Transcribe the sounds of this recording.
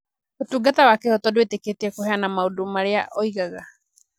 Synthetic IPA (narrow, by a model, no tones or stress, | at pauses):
otuɡatawakehotodueteketiakoɦeanamaudumaɾeaʔoiɣaɣa